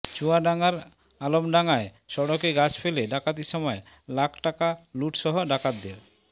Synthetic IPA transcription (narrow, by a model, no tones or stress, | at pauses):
t͡ɕuaɖaŋaɾ | alomɖaŋae | ʃɔɽokeɡat͡ɕfeleɖakat̪̬iʃɔmɔe | lakʰʈakaluʈʃɔɦoɖakat̪ːeɾ